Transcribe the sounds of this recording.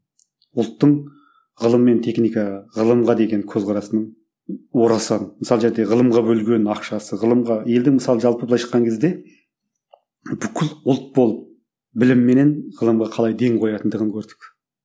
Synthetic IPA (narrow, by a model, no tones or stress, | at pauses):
ʊlˠt̪ːəɴ | ʁəlˠəmːe̞nt̪ʰe̞xnijkɑʁɑʁəlˠəmʁɑd̪e̞ɡʲe̞ŋkʲʰɵzqʰɑɾɑsənəɴ | wo̞ɾɑsɑnməsɑlˠʒeɾd̪e̞ʁəlˠəmʁɑbɵlɡʲe̞nɑqʃɑsəʁəlˠəmʁɑje̞ld̪ɪŋmɪsɑlˠəʒɑlˠpəbəlˠɑjʃə̥qːɑŋkʲʰezd̪e̞ | b̥ʏkʲʰɪlʊlˠt̪̚bo̞lˠəp̚ | bɪlɪmːe̞ne̞nʁəlˠəmʁɑqʰɑlˠɑjd̪e̞ŋqʰo̞jɑt̪ənd̪əʁəŋkʲʰɵɾd̪ɪk